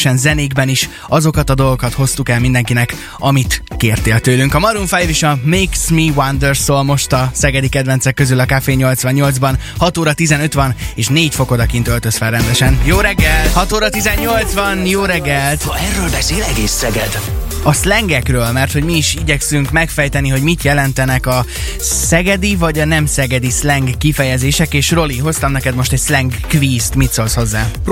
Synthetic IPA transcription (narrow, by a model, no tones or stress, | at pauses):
ʃɛnzɛniːɡbɛniʃ | ɒzo̞kɒt̪ɒd̪olɡokɒt̪ho̞st̪ukɛlmind̪ɛŋkinɛk | ɒmit̪keːrt̪eːlt̪øːlyŋkɒmɒɾuɱfɛjviʃɒmeksmiwɒnd̪ørsolmo̞ʃt̪ɒsɛɡɛd̪ikɛd̪vɛnsɛkːøzylɒkafeːɲo̞lt̪sʋɒɲːo̞ld̪zbɒn | hɒt̪oːɾɒt̪izɛnø̞t̪ʋɒneːʃneːcfo̞ko̞d̪ɒkint̪ø̞lt̪øsfɛlrɛnd̪ɛʃɛnjoːɾɛɡːɛlt̪hɒt̪oːɾɒt̪izɛɲːo̞lt̪sbɒnjoːɾɛɡːɛlt̪ɛrːøːlbɛseːlɛɡeːsːɛɡɛd̪ | ɒslɛŋɡɛkrøːlmɛrt̪ho̞ɟmiːʃiɟɛksyŋkmɛkfɛjt̪ɛniɦo̞ɟmit̪jɛlɛnt̪ɛnɛkɒ | sɛɡɛd̪ivɒɟɒnɛmsɛɡɛd̪islɛŋɡːifɛjɛzeːʃɛkeːʃro̞liɦo̞st̪ɒmnɛkɛd̪mo̞ʃt̪ɛcslɛŋɡːviːst̪mit̪so̞lsho̞zːaː